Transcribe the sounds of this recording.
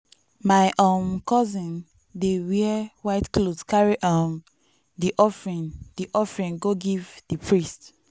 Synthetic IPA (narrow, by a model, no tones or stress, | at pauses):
maɪʔɔ̃mkɔzĩn | dewiwaɪtklodkaɹiʔãm | diʔɔfɹĩndiʔɔfɹĩnɡoɡivdipʰɹist